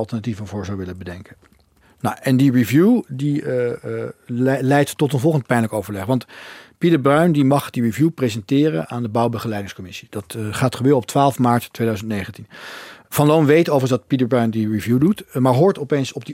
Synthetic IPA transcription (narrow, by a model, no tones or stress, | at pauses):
ɑlˠtəɹnativənvʊːɹzawʋɪləbədɛŋkə | nawʔɛndiɹivjudi | lɛjttːɔtənvɔlˠχəntpɛjnləkowvəɹlɛχʋɑntpidəɹbrœɥndimɑχdirivjuprezɛntɪːrə̰naːndəbɑwbəχəlɛjdɪŋskɔmɪsi̥d̥ɑtχaːtχəʋɪlˠɔp̚tʋaːlˠfmaːɹttːʋejdœɥzəntnejχəntinv̥ɑnlownʋejtowvərəsdɑtpidəɹbrœɥndiɹivjudutmaːɹɦʊːɹtɔpejnsɔb̚di